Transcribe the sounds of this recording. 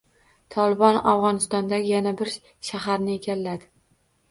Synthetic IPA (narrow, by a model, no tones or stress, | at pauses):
t̪ʰɒlˠɪbɒnavʁɒnɪst̪ɒnd̪aɡʲɪjanabɪɾ | ʃaɦaɾnɪeɡʲalːad̪ɪ